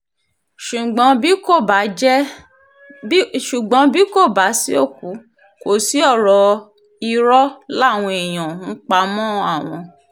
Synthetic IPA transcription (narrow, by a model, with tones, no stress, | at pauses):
ʃu˨ɡ͡bɔ̃˨˦bi˦ko˦˨ba˨˦d͡ʒɛ˦ | ʃu˨ɡ͡bɔ̃˨˦bi˦ko˦˨ba˨˦si˦o˦˨ku˨˦ | ko˨si˨˦ɔ˦˨ɾɔ˧ | i˧ɾɔ˦la˦˨w̃ɔ̃˧e˨j̃ã˨n̩˦k͡pa˦mɔ̃˦˧a˦˨w̃ɔ̃˧